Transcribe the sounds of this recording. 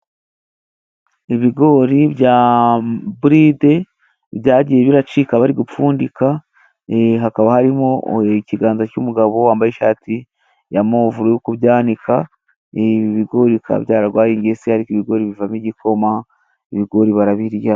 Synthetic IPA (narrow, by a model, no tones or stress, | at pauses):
iβiɡo̞ːɾibɟa | buɾide̞ | bjaːɟije̞βiɾat͡ʃikaβaɾiɡup͡fuːndika | ɦakaβahaɾimociɡaːnzacumuɡaβo̞waːmbajeʃaːtʰi | jamoːvuɾujukuβɟaːnikʰa | βiβiɡo̞ɾikʰa̰βjaːɾaɡwaːjiːɲɟiesihaɾikiβiɡo̞ːɾiβivamiɟikʰo̞ma | iβiɡo̞ɾiβaɾaβiɾja